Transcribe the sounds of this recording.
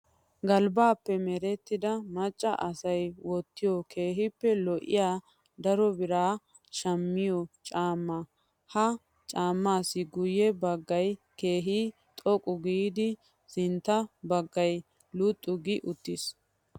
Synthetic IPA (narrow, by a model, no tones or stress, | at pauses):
ɡɐlbaːpːɛmɛɾɛt̪ːɪd̪ɐmɐt͡ʃʼːɐʔɐsɐjwɔt̪ːɪjɔkʰeːɦɪpːɛlɔʔɪ̰jaː | d̪ɐɾɔbɪɾaː | ʃɐmːɪjɔt͡ʃʼaːmːɐ | hɐ | t͡ʃʼaːmːaːsːɪɡʊjːɛbɐɡːɐj | keːɦi | t̪ʼɔkʼʊɡiːd̪ɪ | sɪnt̪ːɐbɐɡːɐj | lʊt̪ʼːʊɡɪʔʊt̪ːɪs